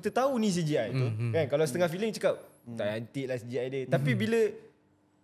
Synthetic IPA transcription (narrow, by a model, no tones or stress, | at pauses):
it̪ət̪aunĩs̬id͡ʒiajt̪ukankalawsə̥t̪əŋahfiliŋt͡ʃəkap̚t̪aant̪iʔlasid͡ʒiajdət̪apibilə